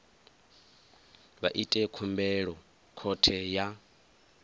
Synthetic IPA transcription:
βaʔitʼɛkʰumbɛɺɔ | kʰɔtʰɛja

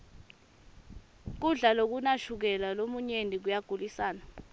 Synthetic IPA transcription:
k̬uɮalok̬unaʃuk̬ɛlalomuɲenʱik̬ujaɡ̥ʱulisaːna

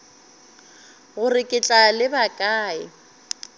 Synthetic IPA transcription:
ɣʊrɪkʼɪt͡ɬʼalɪbakʼaːɪ

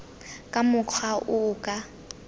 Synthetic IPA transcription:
kʼamʊq͡χʰwaʔʊːkʼa

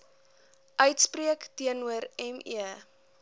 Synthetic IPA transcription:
ʔœɥtspriəktiənuəɾɛmiə

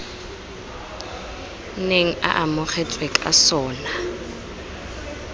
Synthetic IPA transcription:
neŋ̩a̰ʔamʊχɛtʼwɛkʼa̰sɔːna

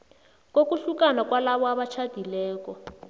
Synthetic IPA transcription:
kokuɬukanakwalaβɔaβat͡ʃʰad̥ʱilɛːkɔ

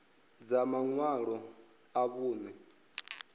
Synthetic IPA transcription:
d͡zamaŋwaɺɔ | aβuːnɛ

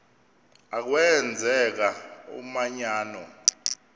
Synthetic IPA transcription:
ak̬wɛnd͡zʱɛk̬aṵmaɲaːnɔ

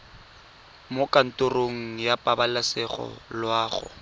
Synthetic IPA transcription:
mokʼan̩tʼʊroŋ̩japʼabalasɛχɔ̰lwaːχʊ̰

